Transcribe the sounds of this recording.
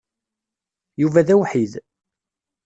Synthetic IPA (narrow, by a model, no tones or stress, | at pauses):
juvæðæwħið